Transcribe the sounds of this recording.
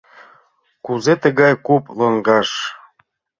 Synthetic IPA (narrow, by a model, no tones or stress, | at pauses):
kuzet̪ə̆ɣɑjkuplɤŋɡɑʃ